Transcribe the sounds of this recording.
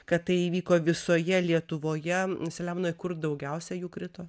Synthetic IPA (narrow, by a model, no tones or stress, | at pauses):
kɐtt̪ɐɪiːʋʲiːkoːʋʲɪsoːjɛlʲiɛt̪ʊʋoːjɛsʲɛlʲɛmnoːɪkʊrd̪ɐʊɡʲɛʊsʲɛjuːkɾʲɪt̪oː